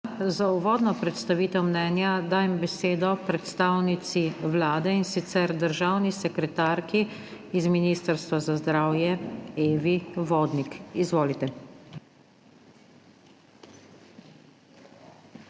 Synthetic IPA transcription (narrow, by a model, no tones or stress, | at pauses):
zauʋɔːd̪nɔpɾɛt̪st̪aʋiːt̪ɛwmnɛnjad̪aːjɛmbɛseːd̪ɔpɾɛt̪st̪aːwnit̪siʋlaːd̪ɛinsit̪sɛɾd̪əɾʒaːwnisɛkɾɛt̪aːɾkiːzminiːst̪əɾst̪ʋazazd̪ɾaːwjɛeːʋiʋoːd̪nikizʋoːlit̪ɛ